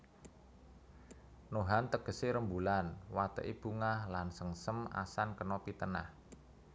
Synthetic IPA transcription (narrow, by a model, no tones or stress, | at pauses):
noɦant̪əɡ̥ə̤seɾəmbulanwat̪ə̰ʔib̥uŋahlansəŋsəma̰sankənɔpit̪əna̰h